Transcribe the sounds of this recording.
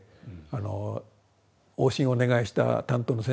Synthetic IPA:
ano̰ | oːɕĩɰ̃o̞ne̞ɡaiɕi̥t̪a̰t̪ãnt̪oːno̞sẽ

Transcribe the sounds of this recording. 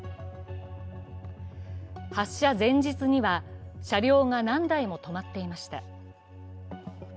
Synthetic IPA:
haɕːazẽ̞ɲ̟d͡ʑit͡sɨɲ̟iβaɕaɾʲo̞ːŋanãnd̪aimo̞t̪o̞mat̪ːe̞imaɕi̥t̪a̰

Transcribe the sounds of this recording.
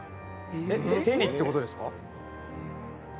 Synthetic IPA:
eet̪e̞ɲʲit̪ːeko̞t̪o̞d̪esɨ̥ka

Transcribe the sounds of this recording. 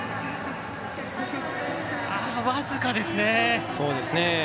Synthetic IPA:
aβazɨkad̪e̞sɨneso̞ːd̪e̞sɨne

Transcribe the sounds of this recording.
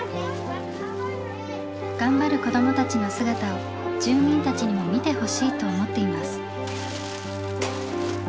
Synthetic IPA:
ɡ̥ãmbaɾɯ̟ko̞d̪o̞mo̞t̪at͡ɕino̞sɨɡat̪ao | d͡ʑɨːmʲĩnt̪at͡ɕiɲ̟imo̞mʲit̪e̞ho̞ɕiːt̪o̞ːmo̞t̪ːe̞imasɨ̥

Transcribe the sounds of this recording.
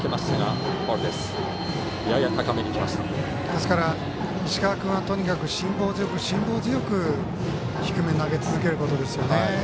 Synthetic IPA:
kemassena̰poɾed̪esɨ̥ | jajat̪ʰakameɲʲikʲima̰sa | d̪e̞sɨ̥kaɾa | iɕi̥kaakɯ̟̃ɰ̃at̪o̞ɲ̟ikakɯ̟ɕĩmbo̞ːzɨjo̞kɯ̟ɕĩmbo̞ːzɨjo̞kɯ̟ | çi̥kɯ̟me̞naɡe̞t͡sɨzɨk̬e̞ɾɯ̟ko̞t̪o̞d̪e̞sɨjo̞ne

